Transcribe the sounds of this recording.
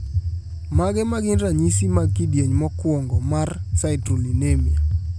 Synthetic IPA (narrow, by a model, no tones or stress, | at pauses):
maɡɛmaɡɪnɾaɲisimakidjeɲmɔkwɔŋɡɔmarsaɪtrolinemja